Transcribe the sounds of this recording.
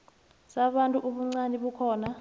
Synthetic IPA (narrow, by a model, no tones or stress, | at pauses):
saɓantʼuʔuɓuŋ͡ǀanɛɓukʰɔːna